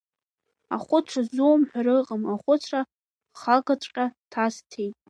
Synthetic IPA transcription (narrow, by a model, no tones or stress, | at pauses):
aχʷʊt͡sʷʰazuwmħʷᶣaɾɨqʼəmaχʷʊt͡sʷʰra | χaɡat͡ʃʷʼqʲʼatʰastʰejtʼ